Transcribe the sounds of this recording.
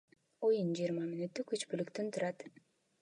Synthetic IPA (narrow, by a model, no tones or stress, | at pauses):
o̞jund͡ʒijːɾmɑminut̪ːykyt͡ʃpylykt̪ynt̪ʰuɾɑt̪